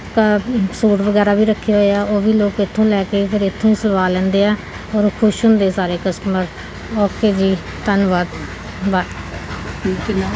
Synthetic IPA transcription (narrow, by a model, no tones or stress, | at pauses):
kasuːʈʋəɡɛːɾaːbʱiːɾəkʰːeɦoːeaːʔoːʋiːloːkɪt̪ʰːõːlɛːkeːpʰɪɾɪt̪ʰːõːĩːsəlʋaːlɛ̃ːnd̪eːɛː | ɔːɾoːkʰʊʃʊnd̪eːsaːɾeːkəsʈəməɾ | ɔːkeːd͡ʒiː | t̪ənʋaːd̪ | ʋaːd̪